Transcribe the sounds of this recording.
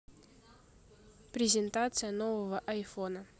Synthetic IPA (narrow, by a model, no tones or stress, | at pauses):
pɾʲɪzʲɪnt̪at̪sɨjənovəvəʔɐjfonə